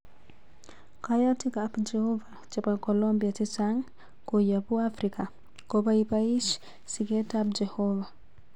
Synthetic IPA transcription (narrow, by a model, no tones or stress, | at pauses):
kajatikaːpd͡ʒɛhova | t͡ʃɛpakolɔmbiatisaŋ | kojapuafɾika | kɔbaipaiʃ | siɡɛtap̚d͡ʒɛhɔva